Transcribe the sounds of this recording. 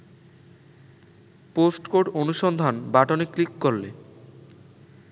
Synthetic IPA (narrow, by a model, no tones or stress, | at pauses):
posʈkoɖonuʃɔnd̪ʱanbaʈoneklikːoɾle